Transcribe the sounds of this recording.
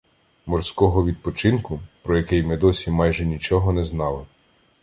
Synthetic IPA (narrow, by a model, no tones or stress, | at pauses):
mɔrsʲkɔɦɔʋʲid̪̚pɔt͡ʃɪnkʊpɾɔjɐkɪjmɪd̪ɔsʲimɑjʒɛnʲit͡ʃɔɦɔnɛznɑlˠɪ